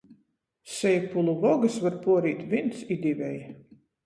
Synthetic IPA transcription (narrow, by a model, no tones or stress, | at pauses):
sɛjpulˠuvɔɡɨsvaɾpuɔɾiːt̪ʲvʲint̪sid̪ʲivʲɛj